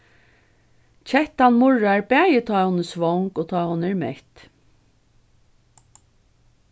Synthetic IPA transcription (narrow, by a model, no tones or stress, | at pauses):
t͡ʃʰɛht̪anmʊɹaɛɹbæːjət̪ʰɑːhʊnːəsʋɔŋkoːt̪ʰɑːhʊnːəɛɹmɛht̪